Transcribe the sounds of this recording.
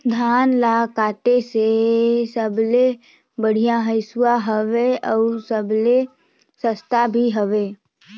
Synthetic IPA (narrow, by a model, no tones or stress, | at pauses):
d̪ʱaːnlakaːt̪esesəble | bəɽ̤ijãɦəɪsuwaɦəʋeɔːsəble | səst̪ʰabʱiɦəʋeː